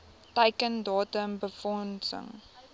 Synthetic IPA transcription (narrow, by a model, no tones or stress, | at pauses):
təjkəndɑːtəmbəfɔnsə̰ŋ